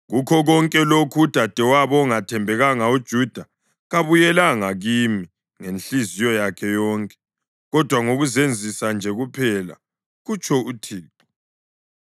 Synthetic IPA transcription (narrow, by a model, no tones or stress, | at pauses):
ɣukʰɔɣɔŋkʼɛlokʰud̥ʱad̥ʱɛwaβɔŋatʰɛmbʱɛɣaŋaud̥ʒ̥ʱud̥ʱa | ɣaβujɛlaŋaɣimi | ŋenɬizijɔjakʰɛjɔːŋkʼɛ̥ | ɣɔd̥ʱwaŋoɣuzend͡zʱisand͡ʒʱɛɣupʰɛla̰ | ɣut͡ʃʰʼɔutʰiːtʰʼu̥